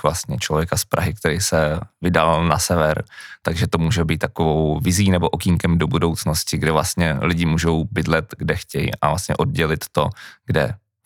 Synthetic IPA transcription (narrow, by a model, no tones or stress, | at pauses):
vlast̪̚ɲɛt͡ʃlovjɛkaspɾʔaɦɪk̚t̪ɛɾiːsɛvɪdalnasɛvɛɾt̪aɡʒɛt̪o̞muːʒɛbiːt̪t̪ːakovo̞wvɪziːnɛboʔokiŋkɛmdo̞budo̞wt͡sno̞scɪɡdɛvlast̪ɲɛlɪɟɪmuːʒowbɪdlɛt̪ɡdɛxcɛjḭʔavlast̪ɲɛ̰ʔo̞d̚ɟɛlɪt̪ːo̞ɡ̥dɛ̰